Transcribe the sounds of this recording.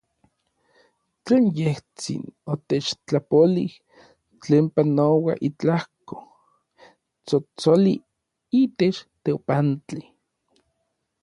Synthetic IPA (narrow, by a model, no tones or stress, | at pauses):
t͡ɬeːnjeht͡sḭnot̪et͡ʃt͡ɬapolih | t͡ɬeːmpanowa̰ʔit͡ɬahko̥ | t͡sot͡soli | iːt̪et͡ʃt̪eopant͡ɬi